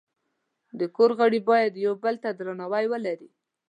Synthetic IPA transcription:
d̪əkoɾɣaɽibɑjad̪jawbəlt̪ad̪ɾanawajwəlaɾi

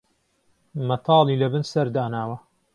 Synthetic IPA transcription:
mɐt̪ʰɑːlˠiːlɐbɨnsɐɾd̪aːnaːwɐ

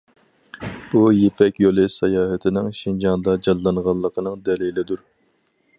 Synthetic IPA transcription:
b̥ujepʰɛkʲjolˠɨsɛjɑːhɛt̪ʰɪnɪŋʃind͡ʒɑnd̪ɑd͡ʒɑlːˠɑnʁɑlˠːəqʰənɨŋd̪ɛlilɪd̪uɾ

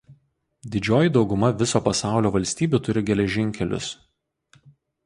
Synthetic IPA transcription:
d̪ʲɪd͡ʒʲoːjid̪ɒʊɡʊmɐʋʲɪsoːpɐsɑˑʊlʲoːʋɐlʲsʲt̪ʲiːbʲuːt̪ʊɾʲɪɡʲɛlʲɛʒʲɪŋʲkʲɛlʲʊ̰s

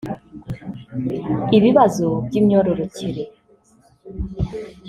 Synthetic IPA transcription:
ibibazotimɔɾoɾotiɾe

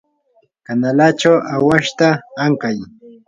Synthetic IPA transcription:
kanalat͡ʃawawaʃt̪aːŋkaj

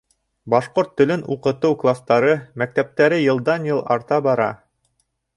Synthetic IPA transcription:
bɑʃqoɾt̪ːɵ̆lɘnuqɤ̆t̪ɤwklˠast̪ɑɾɤmæk̚t̪æp̚t̪æɾɘjɤ̆lˠd̪ɑnjɤlˠɑɾt̪ɑbɑɾɑ̰

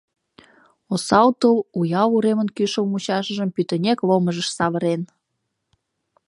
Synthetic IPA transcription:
osɑwt̪əwujɑwuɾemənkyʃə̆wmut͡ɕɑʃə̆ʒəmpyt̪ə̆nʲekloməʒəʃsɑβə̆ɾen

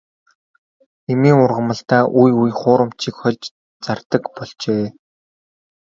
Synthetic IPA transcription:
emiːŋʊrʁə̆mə̆ɬt̪aːʔujujχʊːɾə̆m̥t͡ɕʰikχɔɮt͡ɕ | t͡sart̪ə̆kpɔɮt͡ɕeː

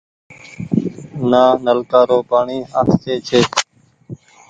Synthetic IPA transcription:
nãːnəlkaːɾoːpaːɳiːaːst̪eːt͡ʃʰeː

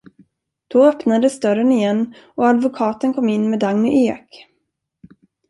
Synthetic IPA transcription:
d̪̥ɔœpnad̪əsd̪œɾənɪjɛnː | ɔad̪vʊkʰɑːt̪ənkʰɔmːɪnːmɛːd̪aŋnɵʔeːk

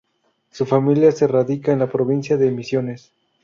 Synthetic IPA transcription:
sufamiljase̞raðikaenlapɾo̞β̞insjaðe̞ːmisjo̞nes

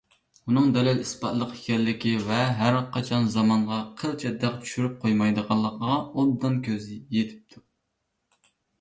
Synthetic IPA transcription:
unɨŋd̪ɛlɪlispɑt̪lˠəqikʲɛllːɪkʲivɛɦæɾqʰɑt͡ʃʰɑnzɑmɑɴʁɑqʰəɾt͡ʃʰɛd̪ɛqt͡ʃʰy̥ʃyɾyp̚qʰojmɑjd̪əʁɑlˠːəqʰəʁɑobd̪ːɨnkʲʰøzɪjet̪ʰɪ̥p̚t̪ʰu

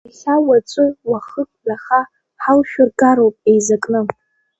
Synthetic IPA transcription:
aχʲawat͡ʃʷʼɨwaχəkʷʼbaχa | ħalʃᶣʊrɡʼaɾowpʼejzakʼnɨ

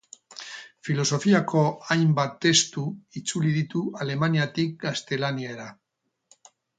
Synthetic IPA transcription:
filo̞so̞fiako̞ajmbat̪ːe̞st̪uit͡suliðit̪uale̞maniat̪ik̚ɡast̪e̞lanieɾa

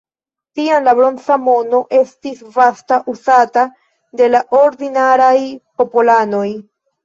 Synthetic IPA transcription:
tianlabɾo̞nt͡samo̞no̞ʔe̞stisvastaʔuzata | de̞laʔo̞ɾdinaɾajpo̞polano̞j

